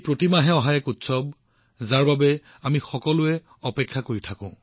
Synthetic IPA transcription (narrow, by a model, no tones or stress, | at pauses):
pɹotimaɦɛɔɦajɛkutsɔb | zaɹbabɛ | amixɔkɔlʊɛ | ɔpɛkʰːakoɹitʰakʊ̰̃